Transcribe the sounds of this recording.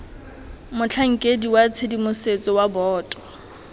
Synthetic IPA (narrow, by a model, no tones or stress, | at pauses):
mʊt͡ɬʰaŋ̩kʼediwat͡sʰedimʊset͡sʼɔwabɔːtʼɔ̥